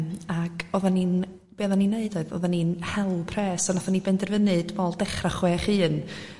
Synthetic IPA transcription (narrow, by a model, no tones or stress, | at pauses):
makʰɔðanin | b̥eːðaninːeɨdɔɨðɔ̰ðaninhɛlˠpʰrɛːsɔnaθanibɛndɛrvənɨd̥vɔlˠdɛχraχwɛːχɨːn